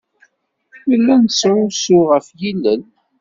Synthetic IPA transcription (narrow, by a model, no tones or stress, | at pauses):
məlːænsɾʊsʊʁəfjilːən